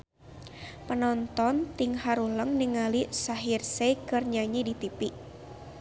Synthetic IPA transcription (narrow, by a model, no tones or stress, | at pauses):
pənɔnt̪ɔnt̪iŋɦaɾuləŋniŋalisaɦirsekərɲaɲidit̪ipiʔ